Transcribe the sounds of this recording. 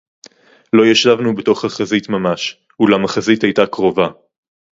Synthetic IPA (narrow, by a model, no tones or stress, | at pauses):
lo̞jeʃlavnubeto̞χhaχazitmamaʃ | ulamaχazitajtakʁo̞va